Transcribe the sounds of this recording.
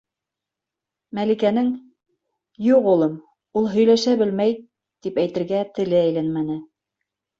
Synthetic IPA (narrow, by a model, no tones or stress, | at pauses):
mælikænɘŋ | juqulˠɤm | ulˠɦɵ̆jlæʃæbɘlmæj | t̪ipæjt̪ɘ̆ɾɡæt̪ɘ̆lɘæjlænmænɘ